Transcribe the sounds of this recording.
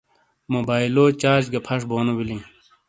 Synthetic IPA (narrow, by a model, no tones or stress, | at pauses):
moːbaːiloːt͡ɕaːd͡ʑɡɐpʰɐʂboːnobilĩː